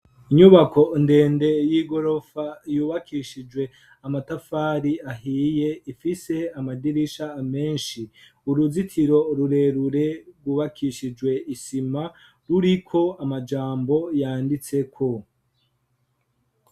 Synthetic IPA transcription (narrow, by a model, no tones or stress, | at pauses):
iɲuβakʰo̞nde̞ːnde̞jiːɡo̞ɾo̞fajuːβakʰiʃid͡ʒwe̞ | amatafaːɾiaɦiːje̞ifise̞amadiɾiʃaːme̞ːnʃi | uɾuzitʰiɾo̞ɾuɾe̞ɾuɾe̞ɡwuːβakʰiʃid͡ʒwe̞isima | ɾuɾikʰo̞amad͡ʒaːmbo̞jaːndit͡se̞kʰo̞